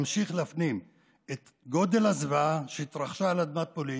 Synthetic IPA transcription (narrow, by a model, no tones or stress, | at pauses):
mʃiχleafnim | et̪ | ɡo̞d̪e̞lazvaʃeit̪ɾaχʃalad̪mat̪̚poli